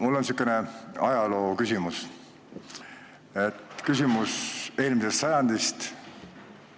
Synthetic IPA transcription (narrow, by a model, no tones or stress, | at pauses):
mulːo̞nsykːˑeneɑjɑlo̞ːkysʲimus | et̪ːkysʲimuse̞ːlmisest̪sɑjɑnd̪̥ist̪